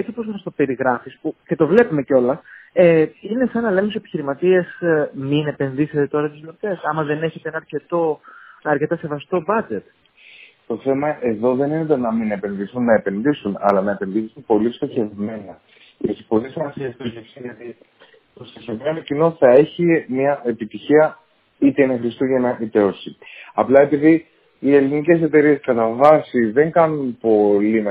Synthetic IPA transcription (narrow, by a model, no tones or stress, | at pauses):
et͡s̪ipo̞zmɐst̪ope̞ɾiɣɾɐfispuce̞t̪o̞vle̞pume̞ceo̞lɐeine̞sɐnɐle̞misoepiçiɾimɐt̪iesminepe̞nðiset̪e̞t̪o̞ɾɐt̪izlot̪e̞sɐmɐðe̞ne̞çe̞t̪eenɐɾce̞t̪o̞ɐɾce̞t̪ɐse̞vɐst̪o̞bɐd͡ʒe̞t̪ | t̪o̞θe̞mɐʔe̞ðo̞ðe̞ninet̪̬enɐmine̞pe̞nðiθunːɐe̞pe̞nðisunɐ̰lɐnɐe̞penðisunpo̞list̪oçe̞vme̞nɐ | cesi̥po̞lisimɐsiɐft̪ozʝefsiʝɐt̪i | t̪o̞st̪oçe̞vme̞nocino̞θɐe̞çimɐʔe̞pit̪içiɐ | it̪enɐxɾist̪uʝɐnɐʔit̪eosiɐplɐepiði | ie̞linice̞se̞t̪e̞ɾie̞skɐt̪ɐvɐsiðe̞ŋɡɐnunpo̞lim